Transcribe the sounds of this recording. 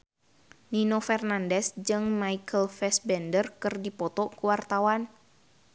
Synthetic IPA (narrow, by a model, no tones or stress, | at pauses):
ninofɛrnandɛsd͡ʒɨŋmaikʰəlfɛsbɛndərkɨrdipɔt̪ɔkuwart̪awan